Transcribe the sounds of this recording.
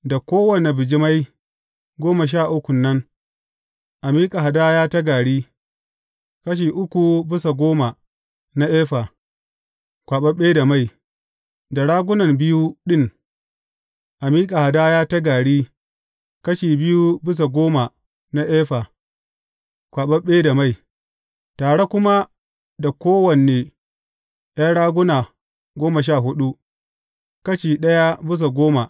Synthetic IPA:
da˨kʷoː˦wɐ˨ne˨bɪ˨d͡ʒi˦ma˦j | ɡʷoː˦ma˨ʃ̬aː˦˨ʔʊ˦kʷʊ˨nːɐ˦ŋ | ʔa˨miː˦kʼa˨ɦa˨daː˦jaː˦ta˦ɡaː˨ɽiː˦ | kɐ˦ʃ̬iː˨ʔʊ˦kʷu˨bɪ˦s̬a˨ɡʷoː˦ma˨ | na˦ʔeː˦ɸa˨ | kʷaː˨ɓɐ˦ɓeː˦da˨ma˦˨j | da˨ɽaː˦ɡʷʊ˦nɐ˨mbɪ˦ju˦ɗɪ˦ŋ | ʔa˨miː˦kʼa˨ha˨daː˦jaː˦ta˦ɡaː˨ɽiː˦ | kɐ˦ʃiː˨bɪ˦ju˦bɪ˦s̬a˨ɡʷoː˦ma˨ | na˦ʔeː˦ɸa˨ | kʷaː˨ɓɐ˦ɓeː˦da˨ma˦˨j | taː˨ɽe˦kʷʊ˦ma˦ | da˨kʷoː˦wɐ˨nːeː˨ | ja˦ɽaː˦ɡʷʊ˦naː˨ | ɡʷoː˦ma˨ʃ̬aː˦˨ɦʊ˦ɗu˦ | kɐ˦ʃi˨ɗɐ˦ja˦bɪ˦s̬a˨ɡʷoː˦ma˨

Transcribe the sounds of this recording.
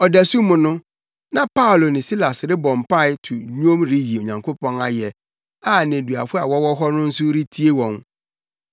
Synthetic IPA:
ɔ˨dæ˨su˦mʊ̃˨nʊ̃˦ | nã˨pa˦ʊ˨lo˨nɪ̃˨si˦la˨sɾɪ˦bɔ̃˨mpa˦˨ɪ˨˦tʰʊ˨ɲu˦õ˦mɾi˦ji˨o˨ɲã˨ŋkʰo˦pʰɔ̃˦na˨jɛ˨ | a˦˨nẽ˨dɥa̰˨fʊ˦a˨wɔ˦wɔ˦ɦɔ˦nʊ̃˦n̩˦sʊ˦ɾi˦tʰi˦e˦wɔ̃˨n

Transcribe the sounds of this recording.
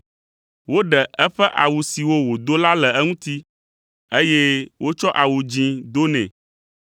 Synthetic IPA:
wo˦ɖɛ˨ʔɛ˦ɸɛ˦ʔa˨wu˨si˨wo˦wo˨d̪o˦la˦lɛ˨ɛ˦ŋũ˦t̪i˦ | e˦je˦wʔo˦t͡ʃɔ˦ʔa˨wu˨d͡ʑĩ˨d̪o˦nɛ̰̃˨

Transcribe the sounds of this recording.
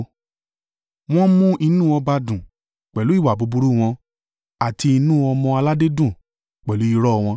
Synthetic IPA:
w̃ɔ̃˦mũ˦ʔi˧nũ˦ɔ˧ba˧dũ˨ | k͡pɛ˨lu˨˦i˦˨wa˨bo˨˧bu˧ɾu˦˨w̃ɔ̃˧ | a˨ti˧i˧nũ˦ɔ˧mɔ̃˧a˧la˦de˦dũ˦˨ | k͡pɛ˨lu˨˦i˧ɾɔ˦˧w̃ɔ̃˧

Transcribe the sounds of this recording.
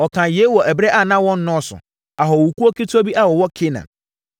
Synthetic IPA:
ɔ˨kʰã˨je˨˦wɔ˨ʔɛ˨bɾɛ˦ʔa˦˨nã˦wɔ̃˦n˦nʊ̃˦sʊ̰˨ | a˨ɦɔ˨wu˨ku˦o˦ki˦tʰo˦bi˦ʔa˦wɔ˨wɔ˦kʰɪ˦nã̰˨

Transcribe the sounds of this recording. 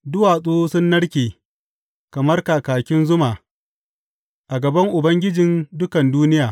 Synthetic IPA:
dʊ˦waː˨sʼuː˦sʊ˦nːɐ˦ɽkʲeː˨ | kɐ˨mɐ˦rkaː˨kaː˨kʲɪ˦nzʊ˦maː˨ | ʔa˨ɡɐ˨bɐ˦ŋʔʊ˨bɐ˦ŋɡʲɪ˦d͡ʒɪ˨ndʊ˦kɐ˨nduː˦nɪ˦jaː˨

